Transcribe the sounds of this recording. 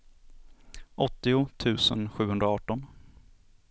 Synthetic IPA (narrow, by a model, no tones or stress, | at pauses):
ʔɔt̪ːɪʊt̪ʰʉ̟ːsə̰nɧʉ̟ːhɵnɾaɑːʈɔn